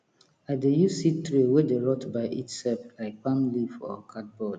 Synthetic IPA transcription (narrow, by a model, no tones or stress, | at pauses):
adejusitɾewedeɹɔtbaɪʔḭtsɛlflaɪk̚pãmlifɔ̰kʰat̚bɔd